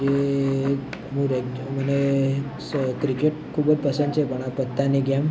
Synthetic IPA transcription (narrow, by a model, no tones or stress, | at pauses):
e | mũɾeməne | kɾikeʈkʰuːbəd͡zpəsə̃nd̪sepəɽ̃apət̪ːaneɡʱjam